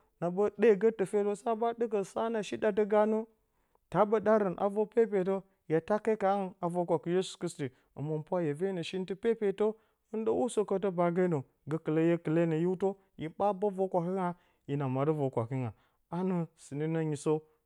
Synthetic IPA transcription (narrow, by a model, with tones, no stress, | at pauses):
na˨bə˦ɗe˦˨ɡə˦tə˨fe˦to˦sa˦ba˦də˦ɡə˨sa˦na˨ʃi˦da˨t̬ə˦ɡa˦nu˦ | ta˦bə˦ɗa˦ɾə˨nʔa̰˨vo˦pe˦pe˨to˦ | ja˨ta˦ke˦ka˨˦ŋ˦˨a˨vo˦kʷa˨ki˦je˦su̥˨kɾi˦sti˨ | ə̰˨mo˨mpʷa˦je˨ve˦nə˨ʃi˦n˦ti˦pe˦pe˨to˦ | ɨ˦ndə˦wu˦so˦kə˦to˦ba˨ɡa˦nə˨ | ɡə˦kə˨lə˦je˦kə˨le˦nə˨ju˦to˦ | ji˨ba˦ba˦vo˦kʷa˨ki˦ŋa˨ | ji˨na˨ma˨ɾi˦vo˨kʷa˨ki˦ŋa̰˨ | a˦nə˨si˨ni˦na˦ɲi˨so˦